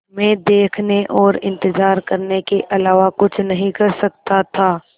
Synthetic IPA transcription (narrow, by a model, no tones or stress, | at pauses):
mɛ̃ːd̪eːkʰneʔɔːɾɪ̃nt̪ɪzaːɾkɐɾnekeʔɐlaːʋakʊt͡ʃʰnɐɦĩkɐɾsɐk̚t̪at̪ʰaː